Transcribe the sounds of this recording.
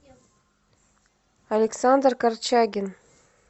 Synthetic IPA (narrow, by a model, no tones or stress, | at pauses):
alʲeksand̪rkart͡ɕaɡʲɪn